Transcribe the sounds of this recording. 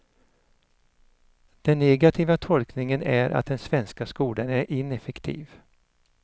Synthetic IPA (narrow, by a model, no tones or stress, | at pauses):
d̪̥ɛnːɛɡat̪ʰiːvat̪ʰɔlknɪŋənæɾʔa̰t̪̚d̪ɛnsvɛnskaskuːlanæɾɪnɛfɛkt̪ʰḭːv